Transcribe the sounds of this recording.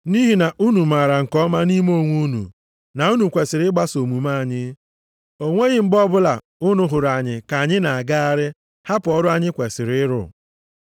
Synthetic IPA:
ni˦ɦi˨na˨ʔu˦nu˨ma˨ɾa˨ŋ̩˨kɔ˦ma˦ni˦m˦o˦˨ŋʷu˦nṵ˨ | na˨u˦nu˨kʷe˨sɪ˨ɾɪ˦ɡ͡ba˦so˨mu˨ma˦a˨ɲɪ˦ | o˦ŋʷe˦ɣɪ˦m̩˦bɔ˦bʊ˦la˨ | ʊ˦nʊ˦ɦʊ˨ɾa˨ɲɪ˨ka˨ɲɪ˦na˨a˨ɡa˦a˨ɾɪ˦ | ha˦pɔ˦ɾʊ˦a˦ɲɪ˦kʷe˨sɪ˨ɾɪ˦ɪ˦ɾʊ̰˨

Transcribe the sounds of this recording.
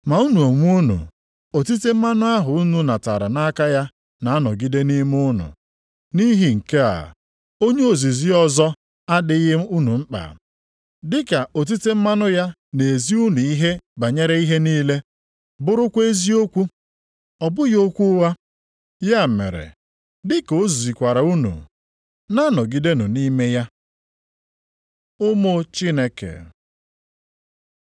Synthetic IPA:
ma˨u˦nu˨o˨ŋʷ˦u˦nṵ˨ | o˨ti˦te˦m̩˦ma˦nʊ˦a˦ɦʊ˨u˦nu˦na˨ta̰˨ɾa̰˨na˦ka˦ja˦ | na˨a˦nɔ˨ɡi˦de˦ni˦m˦ʊ˦nʊ̰˨ | ni˦ɦi˨ŋ̩˨ke˦a̰˨ | o˦ɲe˦o˨zi˨zi˦ɔ˦zɔ˦ | a˦dɪ˦i˦ɦɪ˦m̩˦u˦nu˨ŋ͡m̩˦k͡pa̰˨ | dɪ˦ka˨o˨t̬i˦te˦m̩˦ma˦nʊ˦ja˦ | ne˨zi˦u˦nu˨i˦ɦe˦ba˨ɲe˦ɾe˦i˦ɦe˦niː˦le˦ | bʊ˦ɾʊ˦kʷe˦zi˦o˦kʷu˦ | ɔ˨bʊ˦jo˦kʷu˦wa˦ | ja˦˨mḛ˨ɾḛ˨ | dɪ˦ko˦zu˨i˨kʷa˨ɾa˨u˦nṵ˨ | na˦nɔ˨ɡi˨de˦nu˨ni˦me˦ja˦ | ʊ˦mo˦t͡ʃi˦ne˦kḛ˨

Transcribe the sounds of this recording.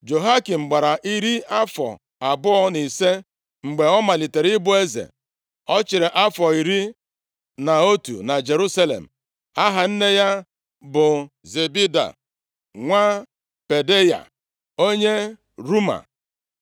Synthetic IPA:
d͡ʒo˨ɦa˦ki˨m̩˨ɡ͡ba˨ɾa˨ʔi˦ɾi˦a˦fɔ̰˨ | a˨bʊ˦ɔ˦ni˨se˦ | ŋ͡m̩˨ɡ͡be˨ɔ˦ma˨li˨te˨ɾi˦bʊ˦e˦zḛ˨ | ɔ˦t͡ʃɪ˨ɾe˨ʔa˦fɔ˨i˨ɾi˦ | na˨o˦tṵ˨na˨d͡ʒe˨ɾu˦sa˦lḛ˨m̩˨ | a˦ɦa˨n̩˦ne˦ja˦ | bʊ˨ | ze˨bi˦da̰˨ | ŋʷa˦ | pe˨de˦ja̰˨ | o˦ɲe˦ | ɾu˦ma̰˨

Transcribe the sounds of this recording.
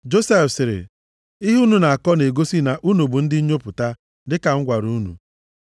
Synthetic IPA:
d͡ʒo˦sɛ˦fsɪ˨ɾɪ̰˨ | i˦ɦu˦nu˨na˨a˨kɔ˦ne˨ɡo˦si˦na˨ʔu˦nu˨bu˨n̩˦dɪ˦ɲo˦pʊ˨ta˦ | dɪ˦ka˨ŋ̩˦ɡʷa˨ɾu˦nṵ˨

